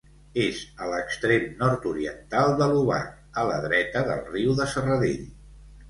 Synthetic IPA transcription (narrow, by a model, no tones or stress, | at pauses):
ezələkst̪ɾemnɔɾt̪uɾiə̰nt̪alˠd̪əluβa̰k | ələðɾɛt̪əðə̰lˠriwðəsərəðḛʎ